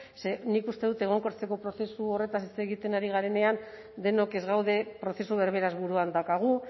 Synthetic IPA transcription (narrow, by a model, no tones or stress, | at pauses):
se̞nikust̪e̞ðut̪eɣ̞o̞ŋko̞ɾt͡seko̞pɾo̞θe̞suo̞re̞t̪asit͡se̞ɣit̪e̞naɾiɣ̞aɾe̞ne̞an | d̪e̞no̞ke̞zɣawðe̞pɾo̞θe̞suβe̞ɾβe̞ɾazβuɾuand̪awkaɣ̞u